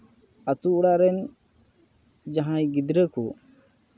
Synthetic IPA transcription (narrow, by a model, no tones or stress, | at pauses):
at̪uuɽaʔɾɛn | d͡ʒaɦãjɡid̪ɾəku